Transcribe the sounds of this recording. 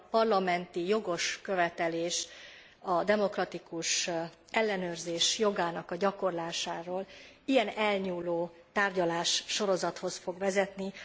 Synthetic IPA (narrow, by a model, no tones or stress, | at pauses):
pɒrlɒmɛnt̪ijo̞ɡo̞ʃkø̞vɛt̪ɛleːʃ | ɒd̪ɛmo̞krɒt̪ikuʃ | ɛlːɛnøːrzeːʃjo̞ɡaːnɒkɒɟɒko̞rlaːʃaːɾoːl | ijɛnɛlɲuːloː | t̪aːrɟɒlaːʃːo̞ɾo̞zɒt̪ho̞sfo̞ɡʋɛzɛt̪ni